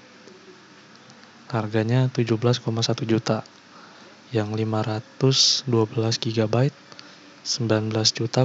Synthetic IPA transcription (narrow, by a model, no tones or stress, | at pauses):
harɡaɲat̪ud͡ʒuhbəlaskomasat̪ud͡ʒut̪a | jaŋlimaɾat̪ʊsduabəlasɡiɡabait̪̚ | səmbilanbəlasd͡ʒut̪a